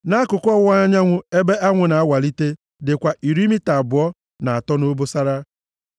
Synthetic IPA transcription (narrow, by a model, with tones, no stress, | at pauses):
na˦kʊ˨kʊ˦ɔ˦ɣa˦ɲa˦ŋʷʊ˦e˦be˦a˦ŋʷʊ˨na˨a˦wa˨li˦te˦ | dɪ˨kʷa˨ʔi˨ɾi˦mi˦ta˨bʊ˨ɔ˦ | na˨a˨tɔ˦no˦bo˦sa˦ɾa˦